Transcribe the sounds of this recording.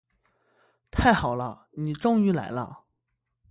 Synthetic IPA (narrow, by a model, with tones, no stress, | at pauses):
t̪ʰa˥˩ɪxɑ˨˩ʊlə˦ | ni˨˩ʈ͡ʂʊ˥ŋy˧˥la̰˧˥ɪlə̰˦˧